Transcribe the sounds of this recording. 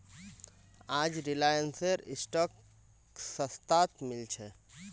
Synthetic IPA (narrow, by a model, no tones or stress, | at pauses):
ad͡ʒɾilajənseɾisʈɔk | səst̪at̪milt͡ʃʰɛ